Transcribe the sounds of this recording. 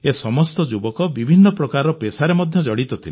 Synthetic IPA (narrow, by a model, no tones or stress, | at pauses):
esɔmɔst̪ɔd͡ʒubɔkɔbibʱinːɔpɾɔkaɾɔpesaɾemɔd̪ʱjɔd͡ʒɔɽit̪ɔt̪ʰile